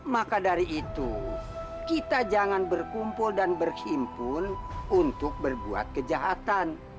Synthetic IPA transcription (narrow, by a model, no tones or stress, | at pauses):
makadaɾiʔːt̪u | kit̪ad͡ʒaŋanbərkumpʊldanbərhimpʊnunt̪ʊk̚bərbua̰t̪̚kəd͡ʒaɦat̪an